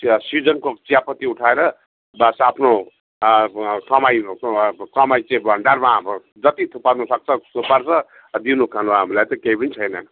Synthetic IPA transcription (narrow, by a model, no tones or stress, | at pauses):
sid͡zʌnkot͡sijapʌt̪iuʈʰaeɾʌ | basapʰno | kʌmajkʌmajt͡sẽĩbʌɳɖarmam | d͡zʌt̪it̪ʰupanusʌk̚t͡sʰʌupʌrt͡sʰʌ | d̪inukʰanuɦamilajt̪ʌkeipʌnit͡sʰʌjnʌn